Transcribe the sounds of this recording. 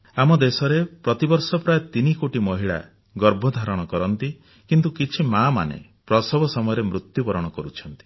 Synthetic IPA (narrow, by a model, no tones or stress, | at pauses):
amɔd̪esɔɾepɾɔt̪ibɔɾsɔpɾaet̪inikoʈimɔɦiɭa̰ | ɡɔɾbʱɔd̪ʱaɾɔɽ̃ɔkɔɾɔnt̪i | kint̪ukit͡ʃʰimama̰nḛpɾɔsɔbɔsɔmɔjɔɾemɾut̪jupɔɾɔɽ̃ɔkɔɾut͡ʃʰɔnt̪i̥